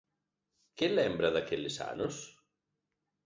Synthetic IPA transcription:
kelɛmbɾaðakelesa̰nos

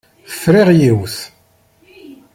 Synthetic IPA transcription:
θə̥fɾiʁjiwθ

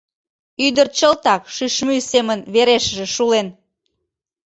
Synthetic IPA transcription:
yd̪ərt͡ɕəlt̪ɑkʃyʃmysemənβeɾeʃəʒĕʃulen

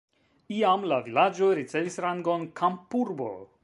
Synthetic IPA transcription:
ijamlavilad͡ʒoɾit͡sevisɾaŋɡonkʰampuɾbo̰

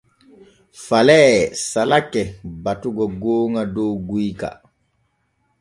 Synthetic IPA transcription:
falɛːsalakːɛbatuɡɔɡoːŋadowɡujka̰

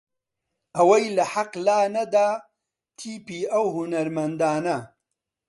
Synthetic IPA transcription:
ɐwɐjlɐħaqlaːnɐd̪aː | t̪ʰiːpiːɐwhunɐɾmɐnd̪aːnɐ

